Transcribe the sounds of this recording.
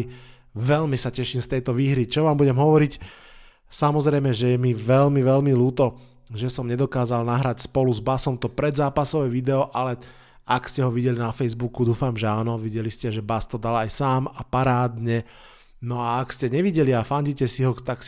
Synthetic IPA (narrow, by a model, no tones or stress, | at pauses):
ʋɛlmisacɛʃimst̪ɛjt̪ɔʋiːɦɾit͡ʃɔʋaːmbuɟɛmɦɔʋɔɾic | samɔzɾɛjmɛʒɛjɛmiʋɛlmiʋɛlmiluːt̪ɔ | ʒɛsɔmɲɛd̪ɔkaːzalnaɦɾacspɔluzbasɔmt̪ɔpɾɛd̪zaːpasɔʋɛʋid̪ɛɔʔalɛ | ʔakscɛɦɔʋiɟɛlinafɛjzbukud̪uːfamʒɛaːnɔʋiɟɛliscɛʒɛbast̪ɔd̪alajsaːmapaɾaːd̪ɲɛ | nɔaakscɛɲɛʋiɟɛliafaɲɟicɛsiɦɔt̪aks